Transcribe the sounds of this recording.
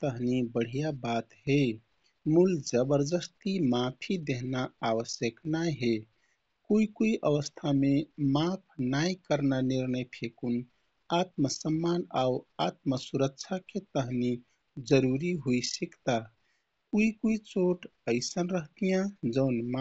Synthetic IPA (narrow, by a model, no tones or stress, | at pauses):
t̪əɦnibəɽ̤ijabat̪ɦe | muld͡ʒəbəɾd̪əst̪imapʰid̪eɦnaːʋəsjəknajɦe | kuikuiʔəʋəst̪ʰamemapʰnaikəɾnaniɾnəjpʰekun | at̪məsəmːanauat̪məsuɾək̚t͡ʃʰaket̪əɦni | d͡ʒəɾuɾiɦoisikt̪a | kuikuit͡ʃoʈəɪsənɾəɦt̪ijãd͡ʒəʊnm